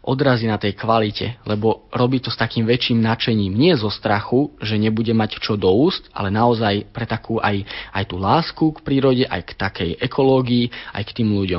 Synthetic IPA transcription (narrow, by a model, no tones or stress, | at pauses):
ʔɔd̪ɾaziːnat̪ɛjkʋalicɛ̰lɛbɔɾɔbiːt̪ɔst̪akiːmʋɛt͡ʃiːmnat͡ʃɛɲiːmɲɪɛzɔst̪ɾaxuʒɛɲɛbuɟɛmact͡ʃɔd̪ɔuːst̪a̰lɛnaɔzajpɾɛt̪akuːʔajajt̪uːlaːskukpɾiːɾɔɟɛʔa̰jkt̪akɛjɛkʰɔlɔːɡiːʔa̰jkt̪iːmluɟɔm